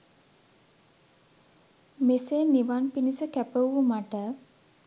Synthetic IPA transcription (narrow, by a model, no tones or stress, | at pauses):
meseːniʋanpinisəkæpəwumaʈə